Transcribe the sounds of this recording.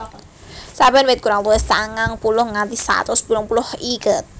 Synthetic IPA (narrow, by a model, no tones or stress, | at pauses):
sabənwet̪̚kuɾaŋluɛst̪aŋaŋpulʊhŋant̪isa̰t̪ʊspulʊpulʊhikət̪̚